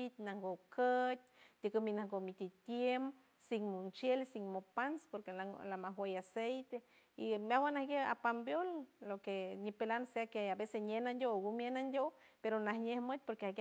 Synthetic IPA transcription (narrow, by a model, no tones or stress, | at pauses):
it̪naŋɡokʰət̪̚ʲt̪ikəminaŋɡomit̪it̪jem | siŋmont͡ʃjelsiŋmopanspoɾkelalamaɦwejasejt̪e | imawanahɡea̰pambjolːokeɲipelanseakeabesesɲenand̪ʲoɡumjenand̪ʲopeɾonahɲehmət̪̚ʲpoɾkeahɡ